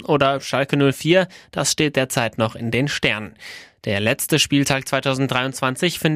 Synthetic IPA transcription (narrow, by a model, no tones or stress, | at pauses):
ʔoːdɐʃalkənʊlfiːɐd̥asʃteːt̚d̥eːɐt͡saɪtnɔχɪndeːnʃtɛɐnənd̥eːɐlɛt͡stəʃpiːltʰaːk̚t͡sv̥aɪtʰaʊzn̩tdʁaɪʊntt͡sv̥ant͡sɪçfɪn